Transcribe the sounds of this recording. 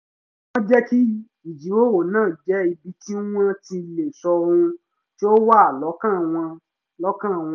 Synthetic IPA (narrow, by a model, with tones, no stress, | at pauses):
wɔ̃˦d͡ʒɛ˦ki˦ | i˨d͡ʒi˨˦wo˦wo˨nãː˦˨d͡ʒɛ˨˦i˧bi˧ti˦w̃ã˦ti˧le˨sɔ˧ɾũ˧ | ti˦o˦wa˦a˨lɔ˨˦kã˦˨w̃ɔ̃˧ | lɔ˦kã˦˨w̃